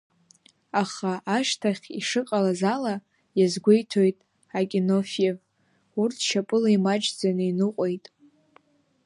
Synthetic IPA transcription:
aχaʔaʃtʰaχʲiʂɨqʼalazala | jazɡʷejtʰo̞jtʼ | akʲʼino̞fiev | urtʰʃʰapʼɨlaimat͡ʃʼd͡zanɨinɨqʷʼo̞jtʼ

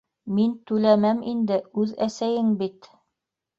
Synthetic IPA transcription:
mint̪ʉlæmæmind̪ɘʉðæsæjɘŋbit̪

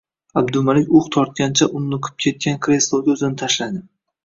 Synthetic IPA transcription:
abd̪ʊmalɪkʲʊχt̪ʰɒɾt̪̚ʲant͡ʃʰaʔʊnːʊqʰɨ̥p̚kʲʰe̞t̪̚kʲankʲʰɾe̞slˠowɡʲɵzɪnɪt̪ʰaʃlad̪ɪ

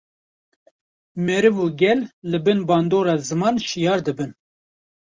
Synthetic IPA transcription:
mɛɾɨvuɡʲɛlːɨbɨnbɑːnd̪oːɾɑːzɨmɑːnʃijɑːɾd̪ɨbɨn

